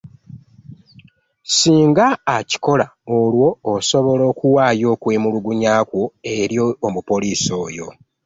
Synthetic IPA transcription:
siːŋɡaːci̥ko̞laolwo̞ːso̞βo̞lo̞ːkuwaːjo̞ːkweːmuluɡuɲaːkwoe̞ɾjoːmupoliːso̞ːjo̞̰

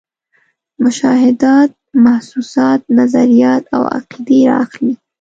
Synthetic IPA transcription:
mʊʃɑɦɪd̪ɑt̪̚mahsusɑt̪̚nazaɾijɑt̪a̰wa̰qid̪eɾɑ̰axli

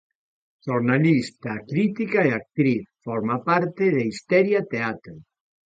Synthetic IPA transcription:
ʃoɾnalist̪akɾit̪ikaeak̚t̪ɾiθfoɾmapaɾt̪eðeist̪ɛɾjat̪eat̪ɾo

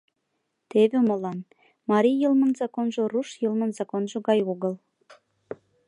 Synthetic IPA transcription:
t̪eβĕmolɑn | mɑɾijəlmənzɑkonʒŏruʃjɤlmə̆nzɑkonʒoɣɑjoɣəl

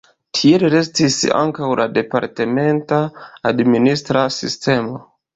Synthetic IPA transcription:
tʰielɾe̞stisa̰ŋkawlʔade̞paɾteme̞ntaːdministɾasḭstʰe̞mo̞

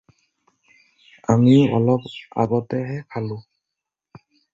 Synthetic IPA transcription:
amiɔ̰lɔpa̰bɔtɛɦɛpʰalʊ

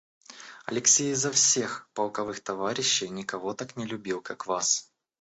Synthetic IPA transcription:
ɐ̰lʲɪksʲejzɐfsʲe̞xpɐlˠkɐvɨxt̪ɐvaɾʲɪɕːɪjnʲɪkɐvo̞t̪aknʲɪlʲʊbʲilˠkakvas

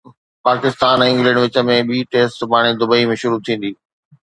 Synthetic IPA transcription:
paːkɪst̪aːnɪ̃ŋɡlɛ̃ːɳɖʋɪt͡ɕə̆mẽɓiːʈeːsʈpaːɽ̃ed̪ʊbəimẽʃʊɾut̪ʰĩːn̆d̪iː

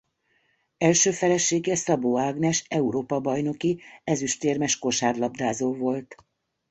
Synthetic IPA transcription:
ɛlʃøːfɛlɛʃːeːɡɛsɒboːaːɡnɛʃɛuɾoːpɒbɒjno̞kiɛzyʃt̪eːrmɛʃko̞ʃaːrlɒbd̪aːzoːvo̞lt̪

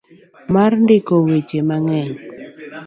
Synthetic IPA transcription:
marndɪkɔwet͡ʃemaŋɛɲ

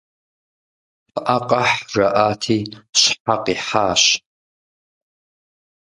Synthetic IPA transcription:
fɨʔaqʼɐħrɐʔaːtʰiːɕħaqiːħaːɕ

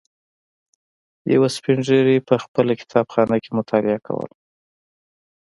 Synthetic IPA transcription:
ja̰waspɪɳʐeɾipəxpəlakɪ̥t̪ʰɑbxɑnakemʊt̪ʰɑlɪakʰa̰wə̰l

